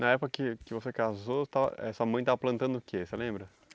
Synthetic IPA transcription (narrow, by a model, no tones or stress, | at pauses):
nɐɛpʊkɐkɪkɪvosekazot̪avɐ̰ɛ̰suɐmɐ̃j̃t̪avɐplɐ̃nt̪ɐ̃nd̪ʊʊkʰeselẽmbɾɐ